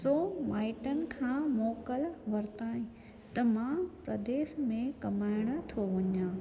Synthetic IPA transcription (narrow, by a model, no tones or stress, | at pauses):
soːmaːɪʈənɪ̆kʰãːmɔːkəlʋɐɾt̪aːɦĩ | t̪ɐmãpɾɐd̪eːʃmẽkɐmaːɪɽ̃̆t̪ʰoʋɐɲãː